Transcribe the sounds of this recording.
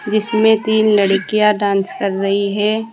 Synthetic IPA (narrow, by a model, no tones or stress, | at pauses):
d͡ʒɪsmẽt̪iːnlɐɽkijaɖãːnskɐɾːɐɦiɦɛː